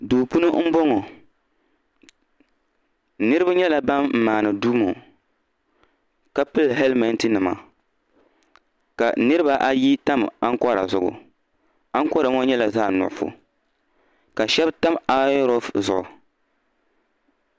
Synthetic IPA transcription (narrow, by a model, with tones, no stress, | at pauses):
duː˨pu˦nɨ˦m̩˦bɔ˦ŋɔ˨ | nɨ˦ɾɨ˦ba˦ɲɛ˦la˨ba˦m̩˨maː˨nɨ˨duː˦mo˨ | ka˦pɨ˦lɦɛ˦lma˦ntɨ˦nɨ˨ma̰˨ | ka̰˨nɨ˦ɾɨ˦ba˨ʔa˦ji˦ta˦ma˦ŋ˦kɔ˦ɾa̰˨zʊ˨ɡʊ̰˨ | a˦ŋ˦kɔ˦ɾa˨ŋɔ˦ɲɛ˦la˨zaː˦˨nʊ̰˨ʔʊ˨fʊ̰˨ | ka˨ʃɛ˦bta˦ma˦ɾɔ˦fzʊ˨ʔʊ̰˨